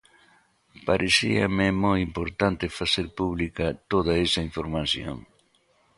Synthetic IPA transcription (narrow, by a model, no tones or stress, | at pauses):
paɾʔesḭɐ̰mɛmojimpoɾt̪ant̪efaseɾpuβlikɐt̪oðɐesaiɱfoɾmasjo̰ŋ